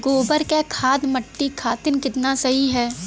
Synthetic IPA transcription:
ɡoːbəɾkekʰaːd̪mɐʈːikʰaːt̪ɪnkɪt̪nasɐɦiɦɛː

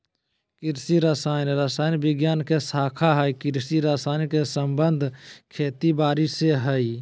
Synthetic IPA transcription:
kɪɾsiɾaːsaːnɾaːsaːɪnbɪɡjaːnkesaːkʰaɦəikɪɾsiɾaːsaːnkesəmbənd̪ʱkʰeːt̪ibaːɾiseɦəi

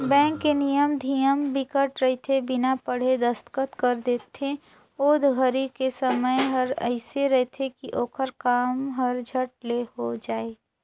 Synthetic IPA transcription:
bɛ̃ːŋkːenijəmd̪ʱijəmbɪkəʈɾəɦit̪ʰebɪnapəɽ̤ed̪əst̪kət̪kəɾd̪eːt̪ẽ | oːd̪ʱɡʱəɾikesəməjɦɐɾə̰ɪseɾɐɦt̪ʰekiʔoːkʰəɾkaːmɦɐɾd͡ʒʱəʈ̚lehod͡ʒaːeː

